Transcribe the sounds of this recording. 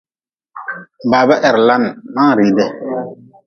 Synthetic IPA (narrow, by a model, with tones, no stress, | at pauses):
baː˨bɛ˦ʔɛ˨ɾla˦nmã˦˨ɾi˨dɛ˦